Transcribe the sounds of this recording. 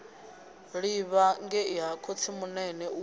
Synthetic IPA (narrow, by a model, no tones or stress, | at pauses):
ɺiβaŋɡɛiɦakʰot͡sʰimunɛnɛu